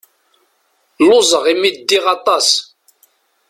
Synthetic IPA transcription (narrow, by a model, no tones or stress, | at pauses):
lʊzˤəʁimid̪ːiʁɑt̪ˤɑs